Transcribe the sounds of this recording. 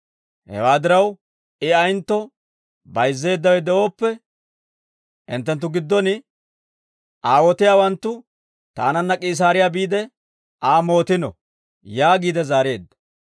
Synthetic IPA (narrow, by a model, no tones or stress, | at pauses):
hɛ̰waːd̪ɪɾɐw | ɪɐjnt̪ːɔ | bɐjzːe̞ːd̪ːɐwɛd̪ɛʔo̞ːpːɛ | ʔɪ̰nt̪ːɛnt̪̬ːʊɡɪd̪ːɔnɪ | ʔaːwɔt̪ɪjaːwɐnt̪ːʊ | t̪aːnɐnːɐkʼiːs̬aːɾɪjaːbiːd̪ɛ | ʔaːmo̞ːt̪ɪnɔ̰ | jaːɡiːd̪ɛzaːɾe̞ːd̪ːɐ̥